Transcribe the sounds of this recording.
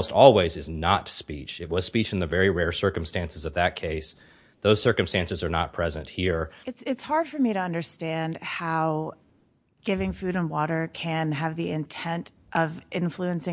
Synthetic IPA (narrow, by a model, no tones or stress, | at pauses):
ʊstɔlˠwizɨznətspit͡ʃɨt̚wʌz̥spit͡ʃn̩ðɨvɛɹiɹɛɹsɜ˞km̩stæ̃nsɨzʌvðɨt̚kʰeɪs | ðoʊz̥sɜ˞kɨ̃mstæ̃nsɨzə˞nə̰t̚pʰɹ̥ɛzɨ̃nt̚hiɹɨtsɪtshɑɹd̥fə˞miɾɨʌ̃ndə˞stæ̃nd̥haʊ | ɡ̥ɪvɪ̃ŋfʉɾə̃nwɔɾə˞kʰɨ̃nɨvðiɪ̃ntʰɛ̃nt | ʔʌvʔɪ̃ɱfluɨ̃nsɪ̃